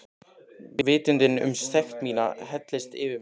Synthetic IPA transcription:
vɪːt̪ɪnt̪ɪnʏ̰msθɛxt̪miːna̰hɛt̪lɪst̪ɪvɪ

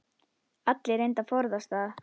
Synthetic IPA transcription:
at̪lɪɾejnt̪afɔɾðast̪aːð

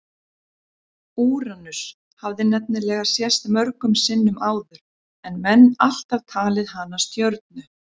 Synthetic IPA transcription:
uːɾanʏs | havðɪnɛp̚nɪlɛːɣasjɛst̪mœɾkʏmsɪnːʏmʔaːwðʏɾ̥ | ɛnmɛnːal̥t̪avt̪ʰaːlɪðɦanːast̪jœɾt̪̚nʏ

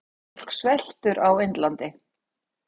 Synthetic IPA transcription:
r̥ksvɛl̥t̪ʏɾʔawejnt̪lant̪ɪ

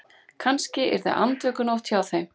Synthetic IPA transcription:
kʰanscɪɛ̰ɾða̰ʔa̰nt̪œːkʏnowt̪ʰjaːwθejm

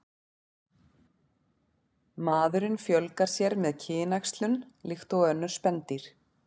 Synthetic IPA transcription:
maːðʏɾɪnfjœlkaɾ̥sjɛɾmɛðcʰɪːjɪnajkst̪lʏnlɪxt̪owœnːʏɾ̥spɛnt̪iɾ̥

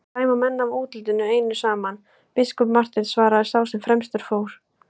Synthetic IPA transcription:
t̪aːjmamɛnːavuːt̪ɪlt̪ɪnːʏeːjnʏsaːman | pɪskʏpmar̥t̪ɪnsvaːɾaðɪɾ̥sawsɛmfɾɛmst̪ʏɾ̥foːwɾ̥

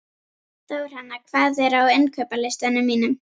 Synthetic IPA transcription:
θawɛɾ̥hanːakʰvaːðɛɾawejnkʰœːpalɪst̪anʏmːiːnʏm

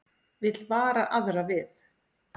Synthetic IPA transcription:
vɪt̪lvaːɾaʔaðɾavɪθ

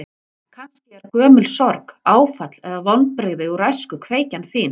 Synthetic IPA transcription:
kʰanscɪɛɾkœːmʏlsɔɾkaːwfat̪lɛðavɔnpɾeɣðɪuɾajskʏkʰveːjcanθiːn

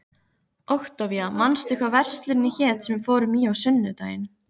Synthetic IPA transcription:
owxt̪awvjamanst̪ɪhkvavɛr̥st̪lʏɾɪnːɪçɛːt̪sɛmfɔːɾʏmiːawsʏnːʏt̪a̰ːjɪn

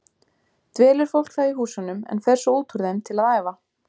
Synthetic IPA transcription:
t̪vɛːlɪɾ̥fowl̥kθaiɦuːsanʏmɛ̰nfɛɾ̥sɔuːt̪ʰuɾðemt̪ʰɪlaðaːjva

